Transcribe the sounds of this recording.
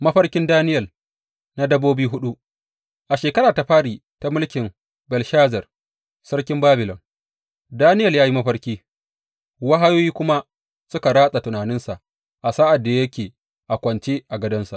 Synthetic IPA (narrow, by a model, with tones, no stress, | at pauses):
mɐ˦ɸɐ˦rkʲɪ˦ndaː˦nɪ˦jɐ˨l | na˦dɐ˦boː˦biː˦ɦʊ˦ɗu˦ | ʔa˨ʃeː˨kɐ˦ɾaː˨ta˨ɸaː˦ɽiː˨ | ta˨mʊ˦lkʲɪ˨m | bɐ˨lʃaː˦zɐ˨r | sɐ˦ɽkʲɪ˦mbaː˦bɪ˨lɔ˨m | daː˦nɪ˦jɐ˨ljaː˦ji˦mɐ˦ɸɐ˦rkʲiː˦ | wa˦ɦa˦joː˦jiː˦kʷʊ˦ma˦ | sʊ˦ka˨ɾaː˦sʼa˨tɪ˨naː˨nɪ˦nsa˨ʔ | ʔa˨sa˦ʔa˨dːa˨jɐ˦kʲeː˨ | ʔa˨kʷɐ˨nt͡ʃeː˦ʔa˨ɡɐ˦dɐ˦nsa˨ʔ